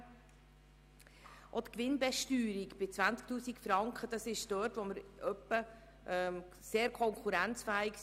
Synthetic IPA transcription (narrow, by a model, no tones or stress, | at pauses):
ʔot̪kʋɪnbɛʃtyːɾikb̥ɪt͡sʋænt͡sk̚t̪uːsikfɾɑŋkχəd̥ɑsɪʃd̥œɾtʋɔməɾʔœpːə | ʔɛm | seːɾkʰɔŋkχuɾænt͡sfæːiks